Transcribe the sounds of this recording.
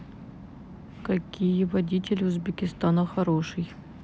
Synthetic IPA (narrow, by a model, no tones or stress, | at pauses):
kɐkʲijəvɐdʲitʲɪlʲʊzbʲɪkʲɪst̪anɐxɐɾoʂɨj